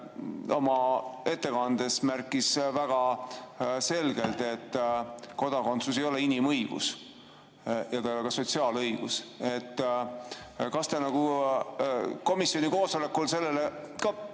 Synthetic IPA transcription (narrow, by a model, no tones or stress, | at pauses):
o̞mɑe̞t̪ːe̞kɑnd̪̥e̞smærkˑːisvæɡ̥ɑ | se̞lɡe̞lt̪e̞t̪ːko̞d̪̥ɑko̞nt̪suse̞jo̞le̞inimɤjɡ̥ṵs | jɑt̪ɑjo̞lekɑso̞t̪ʲsiɑːlɤjɡ̥ṵset̪ː | kɑst̪enɑɡ̥u | ko̞misjo̞niko̞ːso̞le̞kːˑulse̞lːelekɑ